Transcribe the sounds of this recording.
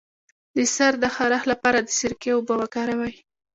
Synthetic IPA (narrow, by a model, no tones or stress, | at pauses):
d̪əsaɾd̪əxaɾaxlapɑɾad̪əsɪɾkewbawakɑɾawaj